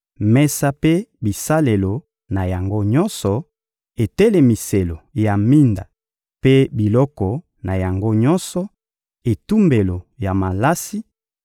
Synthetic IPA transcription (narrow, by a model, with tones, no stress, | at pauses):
mɛ˦sa˦pe˦bi˨sa˦le˨lo˨ | na˨ja˨ŋɡo˦ɲɔ˦nsɔ˨ | e˨tɛ˦lɛ˨mi˨se˨lo˨ja˨mi˦nda̰˨ | pe˦bi˨lɔ˦kɔ˨ | na˨ja˨ŋɡo˦ɲɔ˦nsɔ˨ | e˨tu˦mbe˨lo˨ja˨ma˨la˦si˦